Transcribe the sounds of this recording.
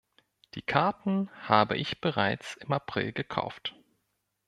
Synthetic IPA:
d̥iːkʰaɐtn̩haːbə̰ʔɪçb̥əʁaɪt͡sɪmapʁ̥ɪ̰lɡəkʰa̰ʊft

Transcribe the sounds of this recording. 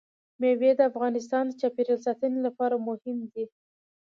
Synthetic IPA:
mewed̪əafɣɑnɪs̬t̪ɑnd̪ət͡ʃɑpeɾəlsat̪ənelapɑɾamʊhɪmd̪i

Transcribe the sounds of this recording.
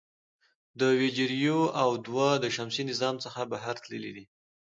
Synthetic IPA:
d̪əwed͡ʒeɾjoawd̪wad̪əʃamsinɪzɑmt͡səxabaɦaɾt̪lə̰lḭd̪i

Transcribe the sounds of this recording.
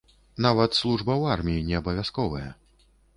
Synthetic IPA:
navɐt̪slˠuʐbɐwarmʲijinʲɛɐbɐvʲaskɔvɐjɐ̰

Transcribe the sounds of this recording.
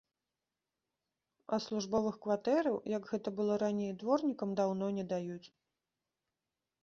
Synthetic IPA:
ɐslˠuʐbɔvɨxkvat̪ɛɾɐwjɐɡɣɛt̪ɐbɨlˠɔɾanʲejd̪vɔrnʲikɐmd̪awnɔnʲɛd̪ajut͡sʲ

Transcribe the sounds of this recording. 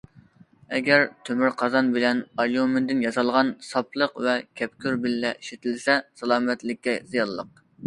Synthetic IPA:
ɛɡʲɛɾt̪ʰømyɾqʰɑzɑnbɪlɛnɑljumɪnd̪ɪnjɑsɑlˠʁɑnsɑplˠəqvɛkʲʰɛp̚kʲʰyɾbɪlːɛʔiʃɪt̪ʰɪlsɛsɑlˠɑːmɛt̪lɪkʲːɛzijɑlˠːə̰q̚

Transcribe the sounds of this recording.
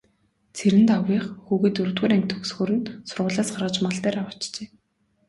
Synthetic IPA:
t͡sʰeɾɘ̆nt̪awiːχxuːɣɘ̆ːt̪ɵɾt̪ɣuːɾæŋʲk̚ʲt̪ʰɵksxɵːɾɘ̆nsʊrʁʊːɮaːsɢarʁə̆t͡ɕmăɮt̪æːɾawə̥̆t͡ɕt͡ɕeː

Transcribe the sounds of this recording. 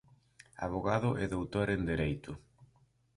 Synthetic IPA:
a̰βoɣaðʊʔɛðowt̪oɾend̪eɾejt̪ʊ

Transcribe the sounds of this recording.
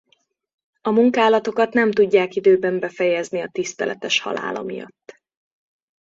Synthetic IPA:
ɒmuŋkaːlɒt̪o̞kɒt̪nɛmt̪uɟːaːkid̪øːbɛmbɛfɛjɛzniɒt̪ist̪ɛlʔɛ̰t̪ɛʃhɒ̰la̰ːlɒ̰mijɒ̰t̪ː

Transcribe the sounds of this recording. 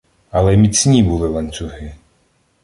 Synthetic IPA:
ɐlˠɛmʲit͡sʲnʲibulˠɪlˠɐnʲt͡sʲʊɦɪ

